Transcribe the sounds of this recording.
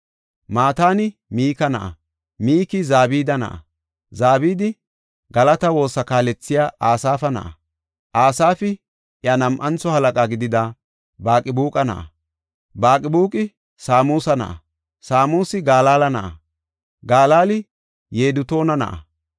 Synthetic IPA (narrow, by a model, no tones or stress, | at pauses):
maːt̪aːnɪmiːkɐnɐ̰ʔɐ̰ | miːkɪzaːbiːd̪ɐnɐ̰ʔɐ̰ | zaːbiːd̪ɪ | ɡɐlɐt̪ɐwo̞ːsːɐkaːlɛt͡sːɪjaːʔaːsaːfɐnɐ̰ʔɐ | ʔaːsaːfɪ | ʔjɐnɐmʔɐnt͡sɔhɐlɐkʼaɡɪd̪ɪd̪ɐ | baːkʼɪbuːkʼɐnɐ̰ʔɐ̰ | baːkʼɪbuːkʼɪ | saːmuːsɐnɐ̰ʔɐ̰ | saːmuːsɪɡaːlaːlɐnɐʔɐ | ɡaːlaːlɪ | je̞ːd̪ʊt̪o̞ːnɐnɐ̰ʔɐ̰